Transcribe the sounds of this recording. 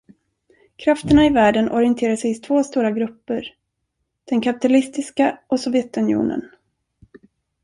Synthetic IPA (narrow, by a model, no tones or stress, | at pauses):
kʰɾaft̪əɳaɪvæːɖənɔ̰ɾɪənt̪ʰeːɾaʂɛjɪt̪ʰvoːst̪uːɾaɡɾɵpːəɾ | d̪̥ɛnkʰapɪ̥t̪alɪst̪ɪskaʔɔsɔvjɛt̪ɵnɪṵːnə̰n